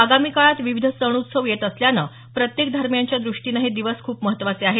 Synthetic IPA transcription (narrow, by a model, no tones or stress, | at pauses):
aɡamikaɭat̪ʋiʋid̪ʱəsəɽ̃ut̪səʋjet̪əsljanə | pɾət̪jek̚d̪ʱaɾmjaɲt͡ɕjad̪ɾuʂʈinəɦed̪iʋəskʰuːpməɦət̪ːʋat͡seaɦe